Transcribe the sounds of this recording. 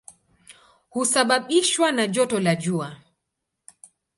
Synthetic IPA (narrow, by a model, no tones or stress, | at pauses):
husaɓaɓiʃwanaʄɔtɔlaʄua